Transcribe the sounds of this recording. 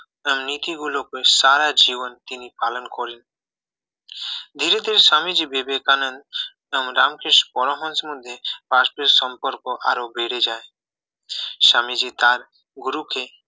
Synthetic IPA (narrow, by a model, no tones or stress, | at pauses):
əmnit̪iɡulokesaɾad͡ʒiʋənt̪inipaːlənkɔɾin | d̪ʱiɾed̪ʱeɾeʃamid͡ʒibebekanənd̪ | əmɾaːmkeʃpɔɽɔɦɔnsmʊd̪ʱːjepaspesɔmpɔɾkɔʔaɾobʱeɽed͡ʒaːe | ʃamid͡ʒit̪aːɾ | ɡuɾukʰe